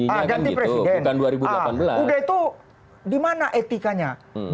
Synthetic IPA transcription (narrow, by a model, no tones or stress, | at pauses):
adanipɾesidɛnkanduaɾibulaanbəlaudait̪u | dimanaʔet̪ikaɲa